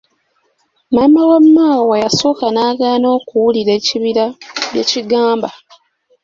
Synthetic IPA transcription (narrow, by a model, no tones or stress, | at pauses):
maːmawamːaːwwajaso̞ːkanaːɡaːno̞ːkuwuliɾe̞ːciβiɾaβje̞̰ːciɡaːmba